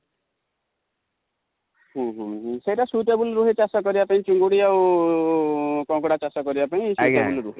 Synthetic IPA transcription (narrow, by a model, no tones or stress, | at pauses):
ɦũɦũsejʈasuʈebulɾuɦet͡ʃasɔkɔɾibapaĩt͡ʃuŋɡuɽiaw | kɔŋkɔɽat͡ʃasɔkɔɾibapaĩsutebulɾuɦi